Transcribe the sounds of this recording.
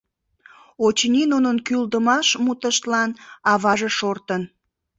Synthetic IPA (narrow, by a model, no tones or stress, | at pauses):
ot͡ɕninunənkyld̪əmɑʃmut̪əʃt̪lɑnɑβɑʒeʃort̪ən